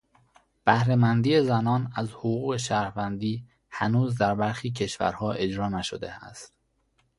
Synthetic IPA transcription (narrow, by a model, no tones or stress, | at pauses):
b̥æhɾe̞mænd̪iːezænɒːnæzhoɣuːɣe̞ʃæːɾhvænd̪iː | hænuːzd̪æɾbæɾxiːcʰe̞ʃvæ̰ɾhɒːʔe̞d͡ʒɾɒːnæʃod̪e̞̰æ̰st̪